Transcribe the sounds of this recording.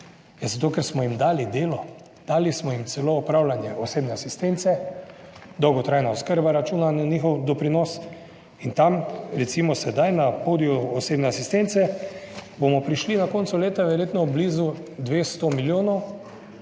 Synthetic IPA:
jazat̪oːkɛɾsmɔjimd̪aːlid̪eːlɔ | d̪̥aːlismɔjimt̪sɛloːɔpɾawlanjɛɔseːbnɛasist̪ent̪sɛ | d̪ɔwɡɔt̪ɾajnaɔskəɾbaɾat͡ʃuːnannixɔwd̪ɔpɾinɔs | int̪amɾɛt̪simɔsɛd̪ajnapoːd̪iɔːseːbnɛasist̪ent̪sɛ | bomɔpɾiʃlinakoːnt̪suleːt̪aʋɛɾjeːt̪nɔblizud̪ʋeːst̪omiljoːnɔw

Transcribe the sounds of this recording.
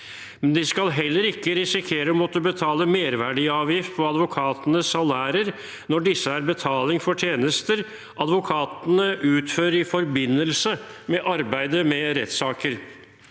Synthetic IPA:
mɛnd̪ɪskɑlɦɛlːəɾɪkːəɾɪsɪkʰeːɾəmɔt̪ːəbət̪ʰɑːləmeːɾʋæɖɪɑːʋjɪft̪̚pʰɔɑd̪ʋʊkʰɑːt̪ənəsɑlæːɾəɾ | nɔɖɪsːəæɾbət̪ʰɑːlɪŋfɔʈʰjeːnəst̪əɾ | ʔɑd̪ʋʊkʰɑːt̪nəʔʉːt̪føːɾɪfɔɾbɪnːəlsəmɛʔɑɾbæɪd̪əmɛɾɛt̪sɑːkəɾ

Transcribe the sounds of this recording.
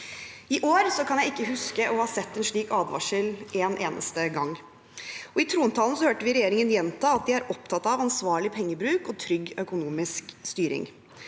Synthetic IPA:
ɪʔoːɾsɔkʰɑnjæɪɪkːəɦʉskəʔɔhɑːsɛt̪ːɛnʂɭiːkɑːd̪ʋɑ̰ʂəlʔeːnʔeːnʔə̰st̪əɡɑŋː | ɔɪt̪ʰɾuːnət̪ʰɑːln̩sɔhøːʈəʋɪɾɛjeːɾɪŋənjɛnt̪ʰɑːɑt̪̚d̪ɪæɾɔp̚t̪ʰɑt̪ɑʋɑnsʋɑːɭɪpʰɛŋːəbɾʉːkɔt̪ʰɾʏɡːœkʊnuːmɪskst̪yːɾɪ̰ŋ

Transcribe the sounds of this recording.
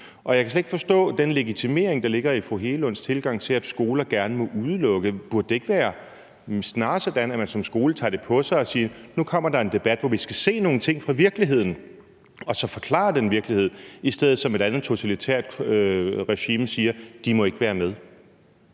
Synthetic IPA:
ʔɒ̽jɑ̈kʰæsleɡ̥̚d̥fɒ̽sd̥ɔ̰̽ːd̥enleɡ̥it͡sʰime̝̰ːɐeŋd̥ɑ̈le̝ɡ̥ɐifʁoɦe̝ːləɔ̽n̰st͡sʰe̝lɡ̥ɑ̈ŋ̰t͡sʰe̝læd̥sɡ̥o̝ːlɐɡ̥æɐnəmɔ̽ʔuð̞ˠəlɔ̽ɡ̥əb̥uɐd̥̚ːe̝e̝ɡ̥ʋæːɐ | snɑ̈ːsɒ̽d̥ænæmænsɒ̽msɡ̥o̝ːlət͡sʰɑ̰̈ːd̥e̝pʰɒ̽sɑ̈ɪɒ̽siːnukʰɒ̽m̰ɐd̥ɑ̈e̝nd̥e̝b̥æd̥ʋɒʋisɡ̥æse̝̰ːno̝ːn̩t͡sʰe̝ŋ̰fʁɑ̈ʋiɐɡ̥liɦe̝ð̞̰ˠn̩ | ɒ̽sɒ̽fɒ̽kʰlɑ̰̈ːd̥enʋiɐɡ̥lihe̝ð̰ˠisd̥eð̰̩ˠsɒ̽me̝ɾænð̩ˠt͡sʰo̝t͡sʰælit͡sʰḛɐ̰d̥ | ʁɛɕiːmsiːɐd̥imɒ̽e̝ɡ̥əʋæːɐmeðˠ

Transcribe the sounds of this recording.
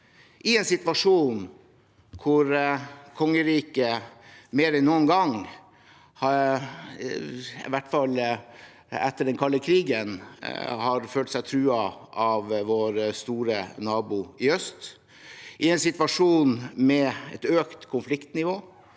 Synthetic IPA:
ʔɪɛnsɪt̪ʋɑʂuːn | kʰʊɾkʰɔŋːəɾiːkəmeːɾɛnnːuːənɡɑŋ | hɑ | ɪ̰ʋæʈːfɑl | ɛ̰t̪ːəɖɛnkʰɑlːəkʰɾiːɡənhɑɾføːlt̪sæɪt̪ʰɾʉːɑɑʋʋoːɾst̪uːɾənɑːbʊɪœst̪ | ʔɪɛnsɪt̪ʋɑʂuːnmɛɛt̪øːkt̪kʰʊnflɪkt̪nɪʋoː

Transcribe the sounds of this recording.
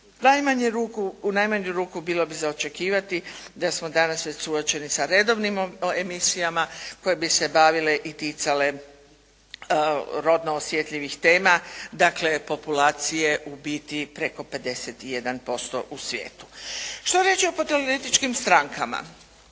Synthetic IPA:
najmaɲeɾuːkuunajmaɲuɾuːkubilˠo̞bizaot͡ʃe̞kiːʋat̪id̪asmo̞d̪anasʋet͡ɕsuot͡ʃe̞nisaɾe̞d̪o̞ʋnimemisijamako̞je̞bise̞baʋile̞ʔit̪it̪sale̞ | ɾo̞d̪noːsje̞t̪ʎʲiʋixt̪eːmad̪akle̞po̞pulaːt̪sije̞ʔubiːt̪ipɾe̞ko̞pe̞d̪e̞set̪ije̞d̪anpo̞st̪o̞̰ʔusʋʲjḛːt̪u̥ʃt̪oɾjeːt͡ʃiopot̪eloɾet̪it͡ʃkimst̪ɾaŋkama̰

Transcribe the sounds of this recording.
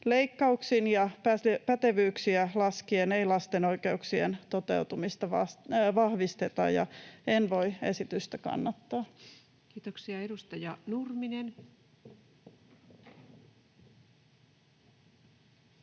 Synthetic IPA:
leikːɑuksinjɑpæpæt̪eʋyːksiælɑskieneilɑst̪eno̞ikeuksiḛnt̪o̞t̪e̞̰ut̪umist̪ɑʋɑsʋɑhʋist̪et̪ɑ̰jɑ̰enʋo̞iesit̪yst̪ækɑ̰nːɑt̪ːɑː | kiːt̪oksiɑedust̪ɑjɑnurminen

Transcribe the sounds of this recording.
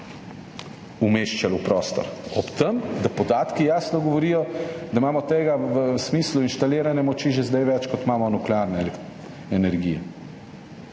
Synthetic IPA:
umeːʃt͡ʃalupɾɔst̪ɔ̰ɾɔpt̪əmd̪apɔd̪aːt̪kijaːsnɔɡɔʋɔɾiːjɔd̪amaːmɔt̪eːɡaʋəsmiːsluinʃt̪aleːɾanɛmɔt͡ʃiʒɛzd̪ajʋɛt͡ʃkɔt̪maːmɔnuklɛaɾnɛl | ɛnɛɾɡiːjɛ̰

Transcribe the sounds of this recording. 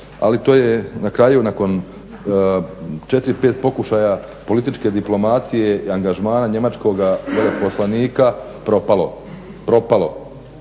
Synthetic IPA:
a̰lit̪o̞ːje̞nakɾaːjunako̞n | t͡ʃe̞t̪ɾipeːt̪̚po̞kuʃaja | po̞lit̪it͡ʃke̞d̪iplˠo̞mat̪sije̞iaŋɡaʒmaːnaɲe̞mat͡ʃko̞ɡajelepo̞slaniːka | pɾo̞palo̞̰ | pɾo̞palo̞̰

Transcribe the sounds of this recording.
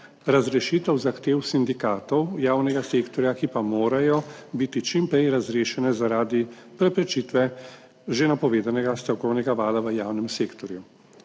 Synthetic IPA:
ɾazɾɛʃit̪ɛwzaxt̪eːwsind̪ikaːt̪ɔwjaːwnɛɡaseːkt̪ɔɾjakipamoːɾajɔbit̪it͡ʃimpɾɛjɾazɾeːʃɛnɛzaɾaːd̪ipɾɛpɾɛt͡ʃit̪ʋɛ | ʒenapɔʋeːd̪anɛɡast̪ɾɔwkɔwnɛɡaʋaːd̪aʋəjaːwnɛmseːkt̪ɔɾju

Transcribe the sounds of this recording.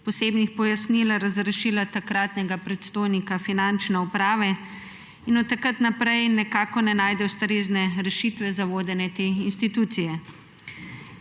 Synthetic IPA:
pɔseːbnixpɔjasnilaɾazɾɛʃiːlat̪akɾaːt̪nɛɡapɾɛt̪st̪oːjnikafinant͡ʃnɛupɾaːʋɛ | inɔt̪ːakat̪napɾɛjnɛkaːkɔnɛnaːjd̪ɛwst̪ɾeːznɛɾɛʃiːt̪ʋɛzaʋoːd̪ɛnɛt̪eːinst̪it̪uːt̪sijɛ

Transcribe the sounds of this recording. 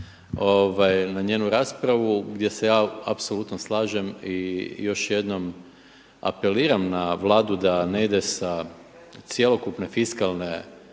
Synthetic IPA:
oʋajnaɲe̞ːnuɾaːspɾaʋuɡd̪je̞se̞jaːa̰pso̞lut̪noslˠaːʒemijo̞ʃje̞d̪no̞m | a̰pe̞liːɾamnaʋlˠaːd̪ud̪ane̞id̪e̞sa | t̪sje̞lˠo̞kupne̞fiskalne̞

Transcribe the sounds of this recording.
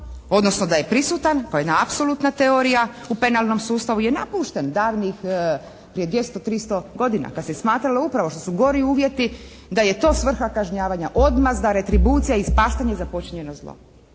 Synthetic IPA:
o̞d̪nosnod̪aje̞pɾisut̪ankojed̪naapso̞lut̪nat̪e̞oɾijaupe̞nalˠno̞msuːst̪aʋuje̞napuʃt̪end̪aːʋnix | pɾieʋje̞st̪ot̪ɾist̪o̞ɡo̞d̪ina̰kad̪sesmaːt̪ɾaloupɾaʋoʃt̪o̞suɡo̞ɾiuːʋje̞t̪i | d̪aje̞t̪o̞ːsʋr̩xakaʒɲaːʋaɲaʔo̞d̪mazd̪aɾe̞t̪ɾibuːt̪sijaispaːʃt̪aɲezapo̞t͡ɕiɲe̞nozlˠo̰

